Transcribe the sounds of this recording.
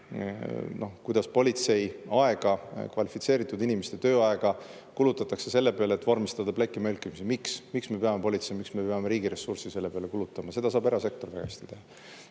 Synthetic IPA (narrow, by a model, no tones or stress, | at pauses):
no̞kujd̪ɑspo̞lʲit̪se̞jɑe̞ɡ̥ɑkvɑlʲifit̪se̞ːɾit̪ːˑud̪inimest̪e̞t̪ø̞ːɑe̞ɡ̥ɑ | kulut̪ːˑɑt̪ːˑɑkse̞se̞lːe̞pe̞ɑlet̪ːvɑrmist̪ɑd̪ɑplekːˑimelkːˑimisimiksmiksme̞pe̞ɑme̞po̞lʲit̪se̞jmiksme̞peɑme̞ɾiːɡiɾe̞sːursise̞lːe̞pe̞ɑlekulut̪ːˑɑmɑse̞d̪ɑs̬ɑːbeɾɑse̞k̚t̪o̞rvæɡɑ̰esʲt̪it̪e̞hɑ